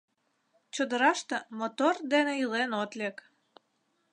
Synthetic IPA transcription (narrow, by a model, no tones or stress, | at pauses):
t͡ɕod̪əɾɑʃt̪ə̆mot̪ord̪eneilenot̪lʲek